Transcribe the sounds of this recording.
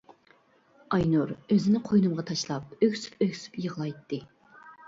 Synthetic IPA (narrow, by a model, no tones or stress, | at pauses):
ɑjnuɾøzɪnɪqʰojnɨmʁɑt̪ʰɑʃlˠɑp̚økʲsy̥pøkʲsy̥pjəʁlˠɑjt̪ːɨ